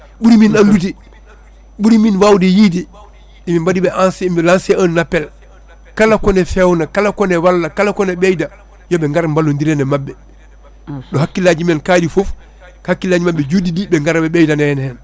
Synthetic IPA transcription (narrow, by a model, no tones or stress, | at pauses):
ɓuɾiminandut̬i | ɓuɾiminwawdijidi | imimbadibɛʔanslansɛʔanːapːɛl | kalakɔnɛfɛwnakalakɔnɛwalːakalakɔnɛɓɛjda | jɔbɛŋɡaɾmbalːondiɾɛnɛmabːɛ | ɗɔhakːilad͡ʒimɛnkaːdifof | hakːilaːd͡ʒimabːɛd͡ʒudidibɛŋɡaɾbɛbɛjdanɛnhɛn